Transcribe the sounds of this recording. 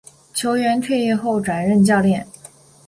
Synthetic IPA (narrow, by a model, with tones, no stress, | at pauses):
t͡ɕʰjo˧˥ʊɥɛ˧˥nt̪ʰwe˥˧ɪɛ˥˧xo˥˩ʊʈ͡ʂwa˨˩nɻə˥˧nt͡ɕjɑ˥˧ʊljɛ˥˩n